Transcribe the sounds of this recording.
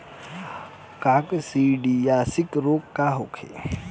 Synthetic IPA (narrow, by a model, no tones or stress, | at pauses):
kaksiɖijaːsikɾoːkːaɦokʰḛ